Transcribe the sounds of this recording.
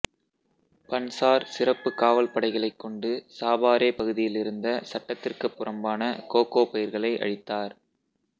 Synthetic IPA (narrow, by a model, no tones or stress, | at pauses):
pɐnsaːɾsɪrɐpːɯkaːʋɐlpɐɽɐɪɣɐɭɐɪkːɔɳɖɯsaːbaːɾeːpɐɣɯðɪjɪlɪɾɯnd̪ɐsɐʈːɐt̪ːɪrkɐpːɯrɐmbaːnɐkoːkoːpɐjɪɾɣɐɭɐɪʔɐ̰ɻɪt̪ːaːɾ